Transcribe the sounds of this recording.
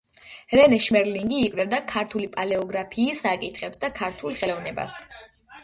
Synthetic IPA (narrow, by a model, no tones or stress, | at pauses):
ɾɛnɛʃmɛɾliŋɡiːkʼvɾɛvd̪akʰaɾt̪ʰulipʼalɛɔɡɾapʰiːsːakʼit̪ʰχɛpsd̪akʰaɾt̪ʰulˠχɛlɔvnɛba̰s